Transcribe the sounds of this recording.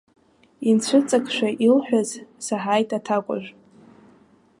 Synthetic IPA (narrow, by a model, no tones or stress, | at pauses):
int͡ɕʷʰɨt͡sʼakʰʼʃʷᶣaʔilħʷᶣazsaħajtʼʰatʰakʷʼʊ̰ʒᶣʷ